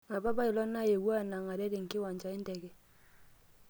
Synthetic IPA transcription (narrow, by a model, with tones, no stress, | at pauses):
a˨ba˦ba˦ɪ˨lɔ˦na˦˨je˨wa˦˨na˨ŋa˨ɾɛ˦ɾɪ˨ŋ˨kɪ˦wa˨ɲt͡ʃa˨ɪ˦n˦dɛ˨ɡɛ˦